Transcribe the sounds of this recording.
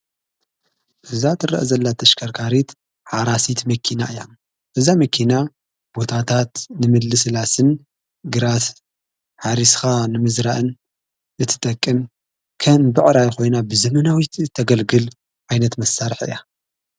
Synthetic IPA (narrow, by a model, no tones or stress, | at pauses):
ʔɨzat̪ʰʼɨɾɐ̰ʔzɐlːat̪ʰɐʃkʰɐɾkʰaɾit̪ | ħaɾasit̪mɐkʰina̰ʔɨjom | ʔɨzamɐkʰina | b̥o̞t̪ʰat̪ʰat̪nɨmɨd̪lɨsɨlasɨn | ɡɨɾas | ħaɾisxanɨmɨzɾaʔɨn | ʔɨt̪ʰːɨ̥t̪ʼɐkʼːɨm | kʰɐmbɨʕɾajxo̞jnabɨzɐmɐnawit̪t̪ʰːɐɡɐlɡɨl | ʔajnɐt̪mɐsːaɾħɨ̰ja